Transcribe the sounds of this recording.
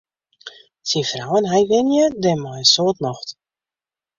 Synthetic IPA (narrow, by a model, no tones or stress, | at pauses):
sifrawənɦajʋɪnjədɛmɔjəsoːtnɔxt